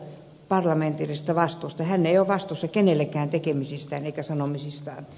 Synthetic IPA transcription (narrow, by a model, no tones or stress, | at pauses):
pɑrlɑment̪irist̪ɑʋɑst̪uːˑst̪ɑhænːeioʋʋɑst̪usːɑkenelːækæːnt̪ekemisist̪æːneikæsɑnomisist̪ɑːn